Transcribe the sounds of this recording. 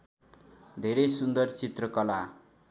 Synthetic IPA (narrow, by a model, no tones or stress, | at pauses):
d̪ʱeɾejsund̪ʌrt͡sit̪rʌkʌla